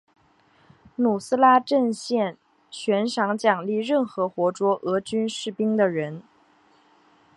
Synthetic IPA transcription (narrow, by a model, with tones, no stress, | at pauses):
nu˨˩sɹ̩˥la˥ʈ͡ʂə˥˧nɕjɛ˥˩n | t͡ɕʰɥɛ˧˥nʂɑ˧˥ŋt͡ɕjɑ˨˩ŋli˥˧ɻə˥˩nxɤ˧˥xwɔ˧˥ʈ͡ʂwɔ˥ʔɤ˧˥t͡ɕy˥nʂɻ̩˥˩pi˥ŋd̪ə˨ɻə˧˥n